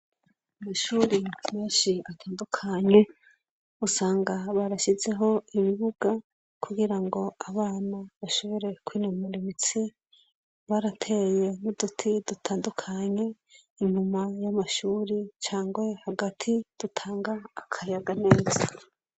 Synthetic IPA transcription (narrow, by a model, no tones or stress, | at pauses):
amaʃuːɾimeːnʃiatʰaːndukʰaɲe̞ | usaːŋɡaβaɾaʃize̞ɦo̞iβiβuɡ̥a | kʰuɡiɾaŋɡo̞aβaːnaβaʃo̞βoɾe̞kwiːnomuɾimit͡si | βaɾatʰe̞je̞nudutʰidutʰaːndukʰaɲe̞ | iɲumajamaʃuːɾit͡ʃaːŋɡwe̞haɡatʰid̥utʰaːŋɡaːkʰajaɡane̞ːza